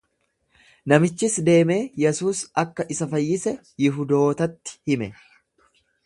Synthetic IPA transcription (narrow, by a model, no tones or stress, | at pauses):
nɐmɪt͡ʃːɪsd̪e̞ːme̞ːjɛsuːsɐkːɐʔɪsɐfɐjːɪsɛ | jɪɦʊd̪o̞ːt̪ɐt̪ːɪ̥hɪmɛ